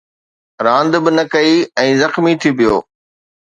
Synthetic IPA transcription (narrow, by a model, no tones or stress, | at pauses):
ɾãːnd̪bɪnɐkɐiɛ̃ːzɐxmit̪ʰipijo̰ː